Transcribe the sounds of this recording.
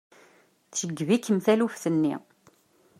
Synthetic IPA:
θʃəɡːvikːəmθælufθənːḭ

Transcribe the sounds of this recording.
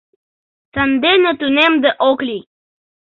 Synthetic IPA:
sənd̪enət̪unemd̪əʔoklʲi

